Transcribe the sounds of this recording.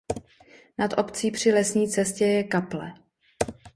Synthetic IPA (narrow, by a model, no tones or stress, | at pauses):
nat̪ʔopt͡siːpr̝̥ɪlɛsɲiːt͡sɛscɛjɛkaplɛ